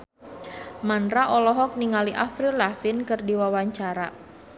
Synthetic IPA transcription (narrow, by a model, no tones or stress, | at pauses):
manɾaʔɔlɔɦɔk̚niŋaliʔafɾilafinkɨrdiwawaɲt͡ʃaɾa